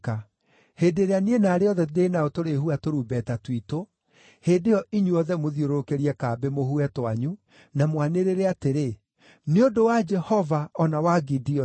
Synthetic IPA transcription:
ka | hedeɾeanienaːɾeɔðɛenaotoɾehuatoɾuːbɛtatwito | hedejɔʔiɲuɔðɛmoðioɾookeɾiɛkaːbemohuɛtwaɲu | namwaneɾeɾeateɾe | neondowad͡ʒɛhɔvaɔnawaɡidiɔ

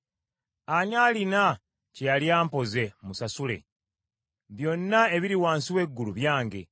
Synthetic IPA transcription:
aɲaːlina | cejaljaːmpo̞ze̞musasule̞̰ | βjo̞nːae̞βiɾiwaːnsiwe̞ɡːuluβjaːŋɟe̞̰

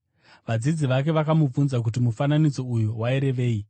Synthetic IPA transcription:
ʋad͡zid͡ziʋak̬e̞ʋakamub͡vunzak̬ut̬imufananid͡zo̞ujuwaiɾe̞ʋe̞ːi

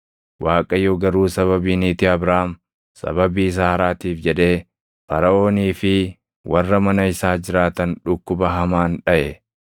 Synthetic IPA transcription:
waːkʼɐjoːɡɐɾuːsɐβɐbiːniːt̪ɪɐbɾaːɐm | sɐ̰bɐbiːs̬aːɐɾaːt̪iːfd͡ʒɛᶑe̞ː | fɐɾɐʔo̞ːniːfɪ | wɐrːɐmɐnɐɪsaːd͡ʒɪɾaːt̪ɐnᶑʊkːʊbɐɦɐmaːnᶑɐʔɛ

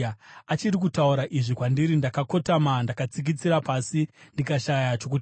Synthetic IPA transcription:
at͡ʃirik̬utauɾaʔiʐikwandiɾindakako̞tamandakat͡sik̬it͡siɾapasindikaʃajat͡ʃo̞k̬uti

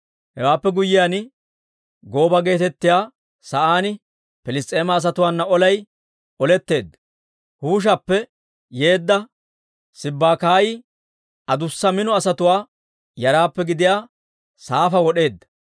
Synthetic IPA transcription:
hɛwaːpːɛɡʊjːɪjaːnɪ | ɡo̞ːbɐɡe̞ːt̪ɛt̪ːɪjaː | sɐʔaːnɪ | pɪlɪst̪ʼːe̞ːmɐːs̬ɐt̪ʊwaːnːɐɔlɐj | ɔlɛt̪ːe̞ːd̪ːɐ̥ | huːʃ̬ɐpːɛ | je̞ːd̪ːɐ | sɪbːaːkaːjɪ | ʔɐd̪ʊsːɐmɪnɔɐsɐt̪ʊwaː | jɐɾaːpːɛɡɪd̪ɪjaː | saːfɐwɔɗe̞ːd̪ːɐ̥

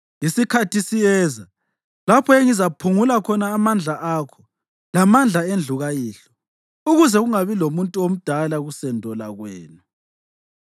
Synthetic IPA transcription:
isikʰatʰisijɛːza | lapʰɔeŋizapʰuŋulakʰɔnaːmand͡ɮʱaʔaːkʰɔ̥ | lamand͡ɮʱaend͡ɮʱuɣajiːɬɔ̥ | uɣuzɛɣuŋaβilomuntʼuom̩d̥ʱalaɣusɛndʱɔla̰ɣweːnu

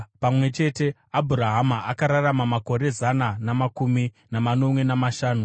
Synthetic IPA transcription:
pamwe̞t͡ʃe̞te̞ | abʱuɾaɦamaʔakaɾaramamako̞ɾe̞zananamakumi | namano̞mwe̞namaʃaːnu

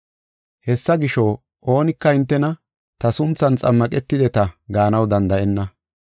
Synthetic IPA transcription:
hɛsːɐɡɪʃo | ʔo̞ːnɪkːɐɪnt̪ːɛnɐ | t̪ɐsʊnt͡sːɐnt͡sʼɐmːɐkʼɛt̪ːɪd̪ɛt̪ɐɡaːnɐwd̪ɐnd̪ɐʔɛnːɐ

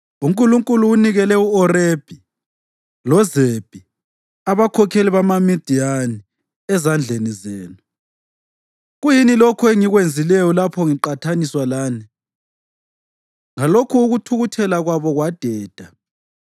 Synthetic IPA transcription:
uŋkʼuluŋkʼuluːniɣɛlɛuɔreb̥ʱi | lɔzeb̥ʱi | aβakʰɔkʰeliβamamid̥ʱiani | ɛzand͡ɮʱenizeːnu | ɣujinilɔkʰɔɛŋiɣwend͡zʱilɛjɔlapʰɔŋiǃatʰaniswalaːni | ŋalokʰuːɣutʰuɣutʰɛlaɣwaβɔɣwad̥ʱɛːd̥ʱa

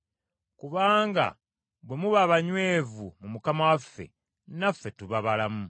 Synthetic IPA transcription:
kuβaːŋɡa̰ | βwe̞muβaβaɲwe̞ːvumumukamawafːe̞̰ | nafːe̞tuβaβalamu

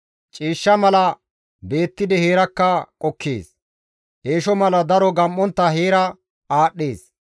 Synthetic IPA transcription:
t͡ʃʼiːʃːɐmɐlɐ | be̞ːt̪ːɪd̪ɛheːɾɐkːɐkʼɔkʰːḛːs | ʔeːʃɔmɐlɐd̪ɐɾɔɡɐmʔːɔnt̪ːɐɦeːɾɐ | aːɗːe̞ːs

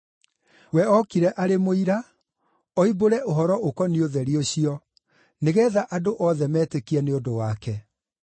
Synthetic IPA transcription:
wɛɔkiɾɛʔaɾemoiɾa | ɔiboɾɛʔoɦɔɾɔʔokɔnioðɛɾioɕiɔ | neɣɛːðaʔadoʔɔðɛmɛːtekiɛneondowakɛ

